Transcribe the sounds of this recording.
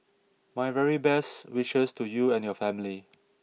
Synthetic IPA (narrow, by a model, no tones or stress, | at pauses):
majvɛɹibɛstwiʃɪstujuɛ̃njɔfɛ̃mli